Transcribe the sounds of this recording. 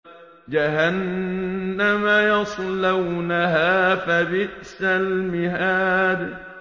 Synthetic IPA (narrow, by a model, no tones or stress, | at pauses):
d͡ʒaɦanː | amajɑsˤlawnaɦaːfabɪʔsalmɪhaːd̪